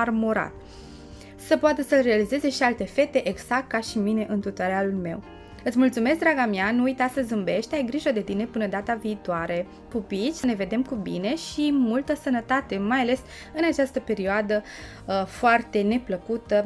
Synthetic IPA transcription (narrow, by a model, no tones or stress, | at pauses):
armoɾa̰t̪ | səpoat̪əsəlrealize̞ze̞ʃialt̪e̞fe̞t̪e̞ʔeɡz̥ak̚t̪̚kaʃimine̞ʔɨnt̪ut̪oɾealulme̞̰w | ɨt̪sʲmult̪sume̞sk̚d̪ɾaɡameanuujt̪asəzɨmbe̞ʃt̪ajɡɾiʒəd̪e̞t̪ine̞pɨnəd̪at̪aviːt̪oaɾe̞ | pupit͡ʃʲsəne̞ve̞d̪e̞mkubḭne̞ʃimult̪əsənət̪at̪e̞majale̞s | ɨnat͡ʃast̪əpe̞ɾioad̪ə | foart̪e̞ne̞pləkut̪ə